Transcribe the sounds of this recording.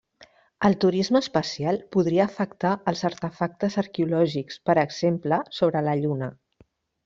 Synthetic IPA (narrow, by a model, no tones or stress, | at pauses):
əlˠt̪uɾizməːspəsialˠpuðɾiəːfəkt̪aəlˠzəɾt̪əfak̚t̪əzəɾkeulɔʒikspəɾəɡz̥empləsoβɾələʎunə